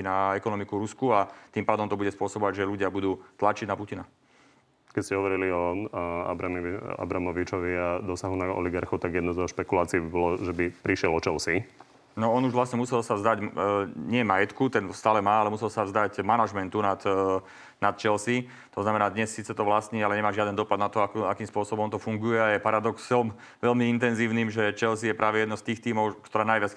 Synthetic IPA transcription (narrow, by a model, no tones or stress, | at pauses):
inaɛkɔnɔmikuɾuskuat̪iːmpaːd̪ɔmt̪ɔbuɟɛspʊɔsɔbɔʋaɟʒɛluɟɪabud̪uːt̪lat͡ʃiɟnapucina | kɛcscɛɦɔʋɔɾiliɔa̰bɾaa̰bɾamɔʋit͡ʃɔʋiad̪ɔsaɦunaɔ̰liɡaɾxɔt̪aɡjɛd̪nɔzɔʃpɛkulaːt͡siibibɔlɔʒɛbipɾiʃɪɛlɔt͡ʃɛlsi | nɔɔnuʒʋlastɲɛmusɛlsavzd̪aɟɲɪɛmajɛt̪kut̪ɛnst̪aːlɛmaːalɛmusɛlsavzd̪aɟmanaʒmɛnt̪unat̪ | nat̪t͡ʃɛlsi | t̪ɔznamɛnaːd̪ɲɛsːiːt͡sɛt̪ɔʋlasɲiːalɛɲɛmaːʒɪad̪ɛnd̪ɔpad̪nat̪ɔakuakiːmspʊɔsɔbɔmɔnt̪ɔfuŋɡujɛajɛpaɾad̪ɔksɔm | ʋɛʎmiint̪ɛnziːʊniːmʒɛt͡ʃɛls̬ijɛpɾʔaːʋɛjɛd̪nɔst̪iːxt̪iːmɔʊkt̪ɔɾɛaːnajʋat͡s